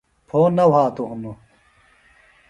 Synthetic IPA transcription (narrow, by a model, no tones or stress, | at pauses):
pʰoːnɐwɦaːt̪uɦunu